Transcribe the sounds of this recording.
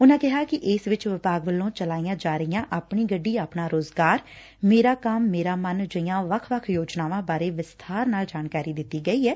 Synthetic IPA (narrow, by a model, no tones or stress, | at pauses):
ʊnãːkɪɦaːkɪʔɪsʋɪt͡ʃʋɪpaːɡʋəlːõːt͡ʃəlaːijãːd͡ʒaːɾəijãːʔaːpɳiːɡəɖːiːaːpɳaːɾoːzɡaːɾ | meːɾaːkəmːeːɾaːmənd͡ʒəijãːʋəkʰʋəkʰjoːd͡ʒnaːʋãːbaːɾeːʋɪst̪ʰaːɾnaːld͡ʒaːnkaːɾiːd̪ɪt̪ːiːɡəiːɛː